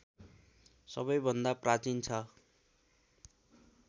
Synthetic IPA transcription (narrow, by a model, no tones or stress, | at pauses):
sʌ̰bʌjbʱʌnd̪aprat͡sint͡sʰʌ